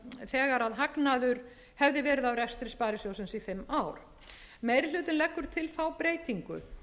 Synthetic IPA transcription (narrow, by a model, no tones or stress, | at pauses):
θɛːɣaɾaðɦaknaðʏɾ̥ | hɛvðɪvɛːɾɪðawɾɛst̪ɾɪspaːɾɪsjowsʏnsifɪmːaːwɾ̥ | meːjɾɪl̥ʏːt̪ʏnlɛkːʏɾ̥t̪ʰɪlθawpɾeːjt̪iŋkʏ̰